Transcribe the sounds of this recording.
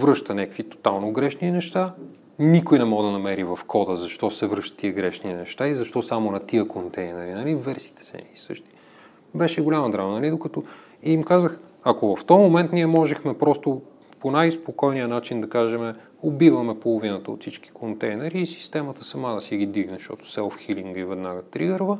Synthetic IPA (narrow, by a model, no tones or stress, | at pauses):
vɾɤʃt̪ənʲɛkkvit̪o̥t̪alˠnoɡɾɛʃninɛʃt̪a | nikojnɛmɔd̪ɐnɐmɛɾivɐfkʰɔd̪əzɐʃt̪ɔsɛvɾɤʃt̪ə̥t̪iəɡɾɛʃninɛʃt̪aizɐʃt̪ɔsamonɐt̪iəkʰont̪ɛjnɛɾinɐlivɛɾsi̥ːt̪ɛ̥sɛ̰isɤ̰ʃt̪i̥ | bɛʃɛɡolʲaməd̪ɾamnɐlid̪okɐt̪o | iimkazəx | ɐkovɐft̪ɔmomɛnt̪niɛmɔʒɛxmɛpɾɔst̪ʊ | ponajspokɔjniənat͡ʃind̪ɐkaʒɛmɛ | obivəmɛpolˠʊvinət̪əo̰t̪sit͡ʃki̥kʰont̪ɛjnɛɾiːsi̥st̪ɛmɐt̪əsɐmad̪ɐsiɡid̪viɡnɛʃt̪ɔ̰t̪ʊ̥sɛlˠfxiliŋɡivɛd̪naɡət̪ɾiɡəɾvə